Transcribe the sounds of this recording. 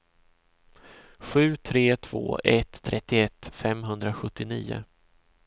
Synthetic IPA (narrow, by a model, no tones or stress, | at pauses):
ɧʉ̟ːt̪ʰɾeːt̪ʰv̥o̰ːʔɛt̪ʰːɾɛt̪ːɪɛt̪ːfɛmɦɵnd̪ɾaɧɵt̪ːɪniːʊ̰